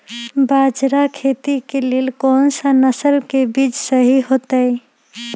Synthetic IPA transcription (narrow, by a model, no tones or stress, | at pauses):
bad͡ʒɾakʰet̪ikeleːlkɔːnsənəsəɾkebiːd͡ʒsəɦiɦot̪əj